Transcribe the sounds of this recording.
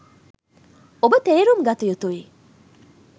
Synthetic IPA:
obət̪eːɾumɡɐt̪ujut̪uʋi

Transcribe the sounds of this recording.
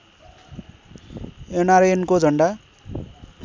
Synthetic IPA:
enaɾenkod͡zʱʌɳɖa

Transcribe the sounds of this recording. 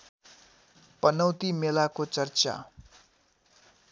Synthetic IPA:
pʌnʌwt̪imelakot͡sʌrt͡sa̰

